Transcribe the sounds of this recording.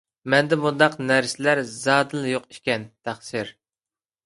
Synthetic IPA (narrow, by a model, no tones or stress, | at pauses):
mɛnd̪ɛmund̪ɑqnæɾsɪlæɾzɑːd̪ɨlˠjoqi̥ʃkʲɛnt̪ʰæχsɨɾ